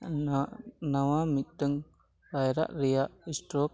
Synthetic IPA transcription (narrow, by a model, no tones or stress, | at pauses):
nawamit̪̚ˀd̪əŋ | ɾajɾa̰ʔɾɛjaʔisʈɾɔk̚